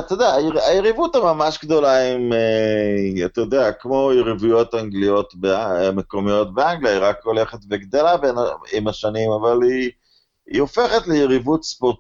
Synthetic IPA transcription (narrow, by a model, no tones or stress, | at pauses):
t̪od̪eaajeʁivutamamaʃɡd̪o̞laime | at̪ajod̪eakmo̞jeʁivujo̞t̪aŋɡlijo̞t̪beameko̞mijo̞t̪beaŋɡlijaiʁakole̞χet̪veɡd̪elabenaimaʃanimavali | ḭofe̞χet̪lejeʁivut̪spot